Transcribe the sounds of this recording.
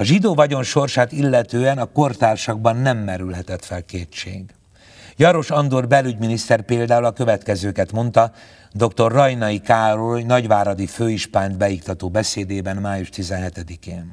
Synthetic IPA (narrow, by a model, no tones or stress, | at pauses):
ɒʒid̪oːvɒɟo̞nʃo̞rʃaːt̪ilːɛt̪øːɛnɒko̞rt̪aːrʃɒɡbɒnːɛmːɛɾylɦɛt̪ɛt̪fɛlkeːt͡ʃːeːɡ | jɒɾo̞ʃɒnd̪orbɛlyɟminist̪ɛrpeːld̪aːulɒkø̞vɛt̪kɛzøːkɛt̪mo̞nt̪ɒ | d̪o̞kt̪o̞rːɒjnɒikaːɾojnɒɟʋaːɾɒd̪iføːiʃpaːnd̪bɛjikt̪ɒt̪oːbɛseːd̪eːbɛnmaːjuʃt̪izɛnɦɛt̪ɛd̪ikeːn